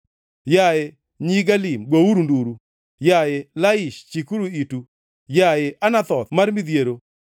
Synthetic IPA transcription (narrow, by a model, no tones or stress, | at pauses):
jaje | ɲiɡalimɡowuɾunduɾu | jajelaɪʃt͡ʃikuɾuitu | jajɪʔanat̪ɔt̪marmid̪jeɾo